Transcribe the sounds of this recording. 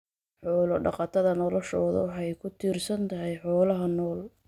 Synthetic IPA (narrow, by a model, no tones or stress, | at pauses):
ħɔːlɔɖɑ̰qɑt̪ʰɐðɐnɔlɔʃɔːðɐ̰wɑħɑjkʰʊt̪ʰiːrsɐnt̪ʰɐɦɛjħɔːlɐɦɐnɔːl